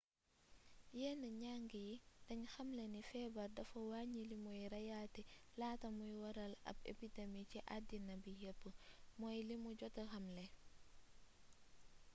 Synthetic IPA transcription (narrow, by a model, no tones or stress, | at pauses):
jɛːnəɲaŋɡijid̥ɐɲxɐmlenifɛːbɐɾdɐfɐwaːɲilimujɾɐjatilaːtɐmujwɐɾɐlɐ̰bḛpidemiciʔadinɐbijɛpːəmɔjlimuɟɔtɐxɐmlɛ